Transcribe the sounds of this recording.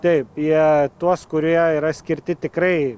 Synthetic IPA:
t̪ɐɪpiɛt̪uɔskʊɾʲuɛiːɾɐsʲkʲɪɾʲt̪ʲɪt̪ʲɪkɾɐɪ

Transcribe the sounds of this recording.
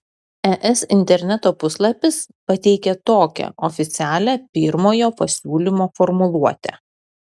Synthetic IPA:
ɛʔɛsɪnʲt̪ʲɛɾʲnʲɛt̪oːpʊslˠɐpʲɪspɐt̪ʲɛɪkʲɛt̪oːkʲɛ̰ʔɔfʲɪt̪sʲæːlʲæːpʲɪɾmoːjoːpɐsʲuːlʲimoːfɔɾmʊlˠuɔt̪ʲɛ̰

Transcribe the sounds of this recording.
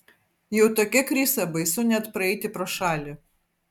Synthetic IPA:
jɛʊt̪oːkʲɛkɾʲɪsɐbɐɪsʊnʲɛt̪pɾɐɛɪt̪ʲɪpɾoːʃɑːlʲɪ

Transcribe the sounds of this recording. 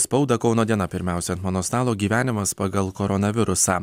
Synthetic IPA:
spɒʊd̪ɐkɒʊnoːd̪ʲiɛnɐpʲɪɾʲmʲæˑʊsʲɛɐnt̪mɔnoːst̪ɑːlˠoːɡʲiːʋʲæːnʲɪmɐspɐɡɐlˠkɔɾɔnɐʋʲɪɾʊsɑː

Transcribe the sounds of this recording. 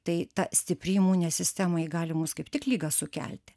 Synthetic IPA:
t̪ɐɪt̪ɐsʲt̪ʲɪpʲɾʲiːmuːnʲɛsʲɪsʲt̪ʲæːmɐɪɡɑːlʲɪmuːskɐɪpt̪ʲɪklʲiːɡɐsʊkʲæ̰lʲt̪ʲɪ̥

